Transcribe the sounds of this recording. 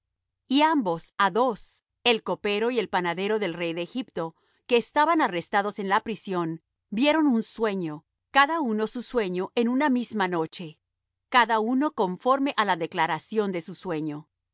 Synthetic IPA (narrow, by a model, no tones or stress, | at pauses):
iambo̞saðo̞s | e̞lko̞pe̞ɾo̞ie̞lpanaðe̞ɾo̞ðe̞lre̞jðeːxipt̪o̞ | ke̞ːst̪aβanare̞st̪aðo̞se̞nlapɾisjo̞n | bje̞ɾo̞nunswe̞ɲo̞ | kaðauno̞suswe̞ɲo̞ʔe̞nunamizmano̞t͡ʃe̞ | kaðauno̞ko̞ɱfo̞ɾme̞ʔalaðe̞klaɾasjo̞nd̪e̞suswe̞ɲo̞